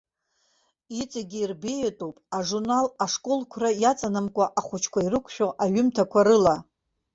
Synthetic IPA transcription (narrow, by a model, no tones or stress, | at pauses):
it͡sʼaɡʲiːrbejetʼowpʼaʐurnalaʂkʼolkʷʰrajat͡sʼanamkʷʼaʔaχʷʊt͡ʃʰkʷʰairɨkʷʰʃᶣoʔaɥʊmtʰakʷʰaɾɨla